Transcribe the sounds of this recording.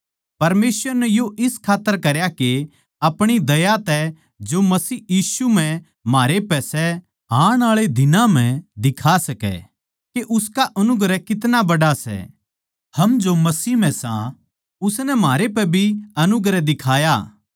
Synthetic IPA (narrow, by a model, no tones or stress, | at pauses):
pɐɾmeːsʋəɾnɛjoʔɪskʰaːt̪ːəɾkɐɾjake | ɐpɽ̃id̪ɐjat̪ɛ | d͡ʒomɐsiːjiːsum̤ɛ̃ | maːɾepɛːsɛ | ɦaːɽ̃aːɭed̪ɪnãm̤ɛ̃d̪ɪkʰasɐkɛ̰ | keʔʊskaʔɐnʊɡɾɛkɪt̪nabɐɽasɛ̰ | hɐmd͡ʒomɐsiːm̤ɛ̃sã̰ | ʊsnɛmaːɾepɛbʱiɐnʊɡɾɛd̪ɪkʰaːjaː